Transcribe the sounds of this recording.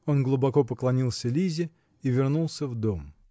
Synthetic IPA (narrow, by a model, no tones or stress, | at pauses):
o̞nɡlˠʊbɐko̞pəklˠɐnʲilˠsʲəlʲizʲɪ | ivʲɪrnulˠsʲəvd̪o̞m